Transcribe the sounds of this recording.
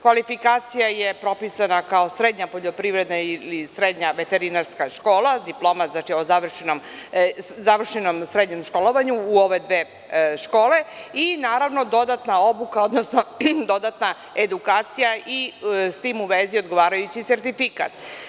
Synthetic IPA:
kʋalifikaːt̪sijaje̞pɾo̞pisanakao̞sɾed̪ɲapo̞ʎo̞pɾiʋɾe̞d̪nailisɾed̪ɲaʋe̞t̪eɾinaɾskaʃko̞ːlˠad̪iplˠo̞mat̪znat͡ʃiozaʋr̩ʃenom | zaʋr̩ʃenomsɾed̪ɲe̞mʃko̞lˠoʋaɲuːo̞ʋe̞d̪ʋeː | ʃko̞ːleinaːɾaʋno̞d̪o̞d̪at̪nao̞bukao̞d̪nosno̞d̪o̞d̪at̪na | ed̪ukaːt̪sijaʔist̪iːmuʋezio̞d̪ɡo̞ʋaːɾajut͡ɕise̞ɾt̪ifika̰t̪

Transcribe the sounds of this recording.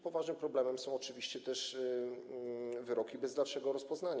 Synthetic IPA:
pɔvaʐnɘmpɾɔblɛmɛmsɔ̃w̃ɔt͡ʂɘvʲiɕt͡ɕɛt̪ɛʂ | vɘɾɔkʲibɛzd̪alʂɛɡɔɾɔspɔznaɲa

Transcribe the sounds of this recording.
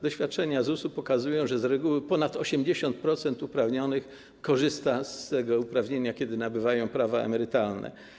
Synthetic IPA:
d̪ɔɕfʲjat̪̚t͡ʂɛɲazusupɔkazujɔ̃w̃ʐɛzɾɛɡuwɘpɔnat̪ɔɕɛmd͡ʑeɕɔnt̪̚pɾɔt̪sɛnt̪upɾavɲɔnɘx | kɔʐɘst̪ast̪ɛɡɔupɾavɲeɲakʲɛd̪ɘnabɘvajɔ̃w̃pɾavaɛ̰mɛɾɘt̪alnɛ̰

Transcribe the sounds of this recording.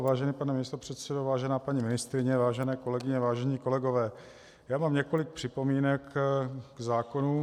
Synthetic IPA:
vaːʒɛniːpanɛmɪst̪opr̥ɛt̪sɛdovaːʒɛnaːpaɲimɪnɪst̪ɾɪɲɛvaːʒɛnɛːko̞lɛɡɪɲɛvaːʒɛɲiːko̞lɛɡo̞vɛː | jaːmaːmɲɛko̞lɪk̚pr̥ɪpo̞miːnɛkɡzaːko̞nu

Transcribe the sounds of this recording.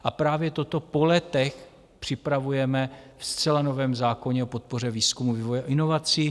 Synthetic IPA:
ʔapɾaːvjɛt̪o̞t̪o̞po̞lɛt̪ɛx | pr̥ɪpɾavujɛmɛfst͡sɛlano̞vɛːmzaːko̞ɲɛopo̞t̪̚po̞r̝ɛviːskumuvivojɛʔɪno̞vat͡siː

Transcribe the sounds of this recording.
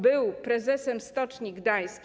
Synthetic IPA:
bɘwpɾɛzɛsɛmst̪ɔt͡ʂɲiɡd̪ajskʲ

